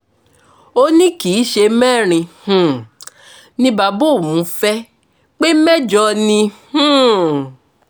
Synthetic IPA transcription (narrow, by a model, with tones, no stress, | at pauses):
o˦nĩ˦ki˨˦ʃe˧mɛ˦˨ɾ̃ĩ˧h̩˨ | nĩ˧ba˨˧bo˦˨mũ˨˦fɛ˦ | k͡pe˦mɛ˦d͡ʒɔ˧nĩ˧h̩˦˨